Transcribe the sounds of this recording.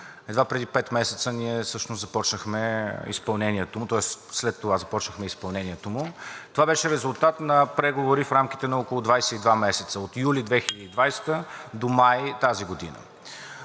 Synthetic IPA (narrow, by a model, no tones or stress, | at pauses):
ɛd̪vapɾɛd̪ipɛt̪mɛsɛ̥t̪səniɛsɤʃnʊsɐpɔt͡ʃnəxmɛḭspɐlˠnɛnʲiɛt̪omʊt̪ɔɛsslɛt̪ːovazɐpɔt͡ʃnəxmɛispɐlˠnɛnʲiɛt̪omʊt̪ovabɛʃɛɾɛzʊlˠt̪at̪nɐpɾɛɡovoɾifɾamk̟i̥t̪ɛnɐɔkolˠʊd̪vajsɛid̪vamɛsɛt̪səot̪ijulid̪vɛxilɐd̪id̪vajst̪əd̪omajt̪aziɡod̪ḭnə̰